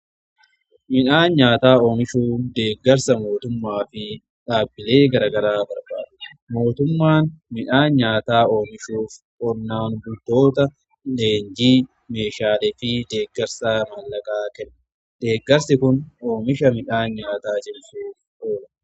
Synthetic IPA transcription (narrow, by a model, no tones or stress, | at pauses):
mɪᶑaːnɲaːt̪aːo̞ːmɪʃuːd̪e̞ːɡːɐɾsɐmo̞ːt̪ʊmːaːfɪ | ᶑaːbːɪle̞ːɡɐɾɐɡɐɾaːbɐɾba̰ːᶑ̪mo̞ːt̪ʊmːaːnmɪᶑaːnɲaːt̪aːo̞ːmɪʃuːf | ʔɔnːaːnbʊd̪o̞ːt̪ɐ | leːɲd͡ʒiː | me̞ːʃaːlɛfɪd̪e̞ːɡːɛɾsaːmɐlːɐkʼaːkɛnːɐ | d̪̥e̞ːɡːɐɾsɪkʊno̞ːmɪʃɐmɪᶑaːnɲaːt̪aːt͡ʃɪmsuːf | ʔoːlɐ